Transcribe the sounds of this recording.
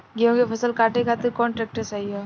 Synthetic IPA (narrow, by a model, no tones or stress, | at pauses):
ɡiõːɡepʰɐsəlkaːʈekʰaːt̪ekɔːnʈɾɛːk̚ʈəsaio